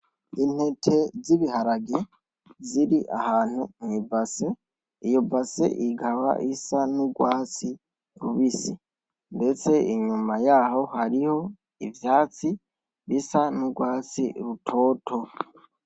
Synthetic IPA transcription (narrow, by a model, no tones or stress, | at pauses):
in̥he̞tʰe̞ziβihaɾaɡe | ziɾiʔa̰haːn̥huɲibase | ijobasḛʔiɡaβa̰ʔisanuɡwaːt͡si | ɾuβisi | nde̞t͡se̞iɲumajaːho̞haɾiho̞ | ivjaːt͡si | βisanuɡwaːt͡sḭɾutʰo̞ːtʰo̞